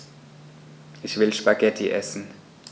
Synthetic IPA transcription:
ʔɪçv̥ɪlʃpaɡɛtʰiʔɛsn̩

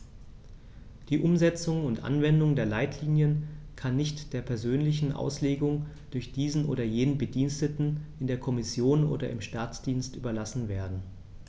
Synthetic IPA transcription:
d̥iːʔʊmzɛt͡sʊŋʊntʔa̰nvɛndʊŋdeːɐlaɪtʰliːnjən | kʰanːɪçtd̥eːɐpʰɛɐzøːnlɪç̬n̩ʔa̰ʊsleːɡʊŋ | d̥ʊɐçd̥iːzn̩ʔo̰ːɾɐjeːnənbədiːnstətn̩ʔɪndeːɐkʰɔmɪsjoːnʔo̰ːɾɐ̰ɪmʃtaːt͡sd̥iːnstʔy̰ːbɐlasn̩veːɐdn̩

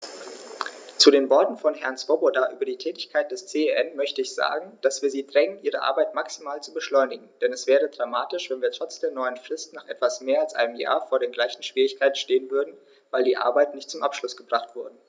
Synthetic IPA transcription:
t͡sudeːnvɔɐtn̩fɔnɦɛɐnt͡sv̥obodaʔyːbɐdiːtʰɛːtɪçkʰaɪt̚d̥ɛst͡seeʔɛnmœçtəɪçz̥a̰ːɡŋ̩d̥asv̥iːɐziːdʁɛŋənʔiːʁəʔa̰ɐbaɪtmaksimaːlt͡subəʃlɔʏnɪɡŋ̩d̥ɛnɛsv̥ɛːʁ̞ədʁamaːtɪʃv̥ɛnviːɐtʁ̥ɔt͡sd̥eːɐnɔʏənfʁ̥ɪstnaːχʔɛtv̥asmeːɐalsʔa̰ɪnəmja̰ːɐfoːɐɾeːnɡlaɪçn̩ʃv̥iːʁɪçkʰaɪtn̩ʃteːənvʏɐdn̩ | vaɪldiːʔa̰ɐbaɪtnɪçt̚t͡sʊmʔapʃlʊsɡ̥əbʁaχtv̥ʊɐdə

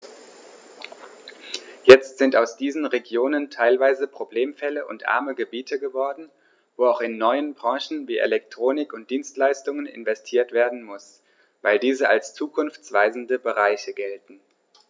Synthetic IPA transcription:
jɛt͡stz̥ɪntaʊsd̥iːzn̩ʁeɡjoːnəntʰaɪlvaɪzəpʁ̥obleːmfɛləʔʊ̰ntʔa̰ɐməɡəbiːtʰəɡəvɔɐdn̩ | voːaʊxɪnːɔʏənbʁɑ̃ːʃn̩viːʔḛlɛk̚tʁ̥oːnɪkʊnt̚d̥iːnstlaɪstʊŋənɪ̰nvɛstʰiːɐtv̥eːɐdn̩mʊs | vaɪldiːzəa̰lst͡suːkʰʊnft͡sv̥aɪzn̩dəbəʁaɪçəɡɛltn̩

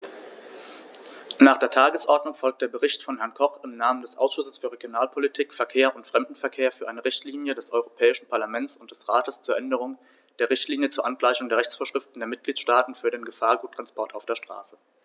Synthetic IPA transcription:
naːχd̥eːɐtʰaːɡəsʔɔɐdnʊŋfɔlk̚td̥eːɐbəʁɪçtfɔnhɛɐnkʰɔχɪmnaːməndɛsʔa̰ʊsʃʊsəsfyːɐʁeɡjonaːlpʰolitʰiːkfɛɐkʰeːɐʔʊntfʁ̥ɛmdn̩fɛɐkʰeːɐfyːɐʔaɪnəʁɪçtliːnjədɛsʔɔʏʁopʰɛːɪʃn̩pʰaɐlamɛnt͡sʊntd̥ɛsʁaːtəst͡suːɐʔɛndəʁ̞ʊŋ | d̥eːɐʁɪçtliːnjət͡suɐʔanɡlaɪçʊŋdeːɐʁɛçt͡sfoːɐʃʁ̥ɪftn̩deːɐmɪt̚ɡ̥liːt͡sʃtaːtn̩fyːɐdeːnɡəfaːɐɡuːtʰːʁ̥anspɔɐtaʊfd̥eːɐʃtʁ̥a̰ːsə

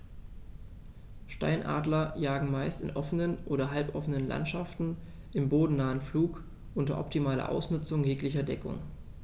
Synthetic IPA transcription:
ʃta̰ɪnʔa̰ːdlɐjaːɡŋ̩maɪstɪnʔɔfənənʔoːɾɐɦalpʔɔfənənla̰ntʃaftn̩ | ʔɪmboːdn̩naːənfluːk | ʔʊntɐ̰ʔɔ̰ptimaːlɐ̰ʔa̰ʊsnʏt͡sʊŋjeːklɪçɐdɛkʊ̰ŋ

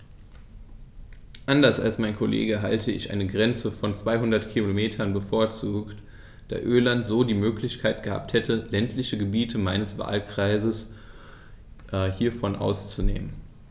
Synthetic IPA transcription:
ʔandɐsa̰lsmaɪnkʰolʔḛːɡəɦa̰ltʰəɪçʔa̰ɪnəɡʁɛnt͡səfɔnt͡sv̥aɪɦʊndɐtkʰilomeːtʰɐnbəfoːɐt͡suːkt | d̥a̰ːʔøːlantz̥oːdiːmøːklɪçkʰaɪt̚ɡ̥əha̰ːp̚thɛtʰəlɛntʰlɪçəɡəbiːtʰəmaɪnəsv̥a̰ːlkʁ̥aɪzəs | ʔhiːɐfɔnʔa̰ʊst͡sunḛːmən

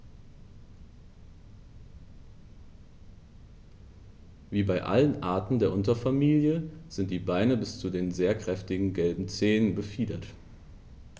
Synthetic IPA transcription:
viːbaɪʔa̰lənʔaːɐtn̩deːɐʔʊntɐfamiːljəz̥ɪntd̥iːbaɪnəbɪst͡sudeːnzeːɐkʁ̥ɛftɪɡŋ̩ɡɛlbm̩t͡seːnənbəfiːdɐt

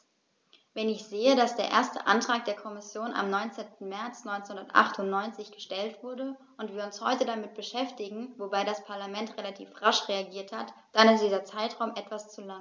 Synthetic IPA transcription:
vɛnɪçz̥eːədasd̥eːɐʔḛːɐstə̰ʔa̰ntʁ̥aːk̚d̥eːɐkʰɔmɪsjoːna̰mnɔʏnt͡seːntn̩mɛɐt͡snɔʏnt͡senhʊndɐtʔa̰χtʊntnɔʏnt͡sɪçɡ̥əʃtɛltv̥ʊɐdə | ʊntv̥iːɐʊnshɔʏtədamɪt̚b̥əʃɛftɪɡŋ̩vobaɪdaspʰaɐlamɛntʁ̥elatʰḭːfʁaʃʁeaɡiːɐthatd̥anɪstd̥iːzɐt͡saɪtʁ̥aʊmʔɛtv̥ast͡sula

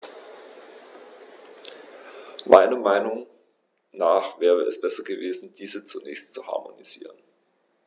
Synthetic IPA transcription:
mʔa̰ɪnɐmaɪnʊŋ | naːχv̥ɛːʁəɛsb̥ɛsɐɡəveːzn̩d̥iːzət͡sunɛːçstt͡suha̰ɐmo̰niz̥ḭːʁ̞ən

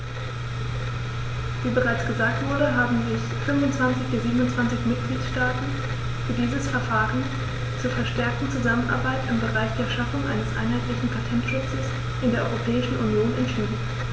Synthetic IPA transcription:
viːbəʁaɪt͡sɡ̥əzaːk̚tv̥ʊɐɾəɦaːbm̩zɪçfʏnvʊntt͡sv̥ant͡sɪçd̥ɪziːbənʊnt͡sv̥ant͡sɪçmɪt̚ɡ̥liːtʃtaːtn̩ | fyːɐdiːzəsfɛɐfaːʁən | t͡suːɐfɛɐʃtɛɐk̚tn̩t͡suzamənʔa̰ɐbaɪtɪmbəʁaɪçd̥eːɐʃafʊŋʔa̰ɪnəsʔa̰ɪnɦaɪtlɪçn̩pʰatʰɛntʃʊt͡səs | ʔɪndeːɐʔɔʏʁopʰɛːɪʃn̩ʔunjoːnɛntʃiːdn̩

